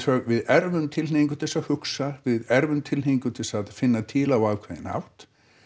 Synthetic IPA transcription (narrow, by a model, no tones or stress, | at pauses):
œɣvɪðɛɾvʏmt̪ʰɪlheiŋkʏt̪ʰɪ̥ɛsahʏksavɪðɛɾvʏmt̪ʰɪleiŋkʏt̪ʰɪlsaðfɪnːat̪ʰiːlawaːvkʰvɛðɪ̰na̰wht̪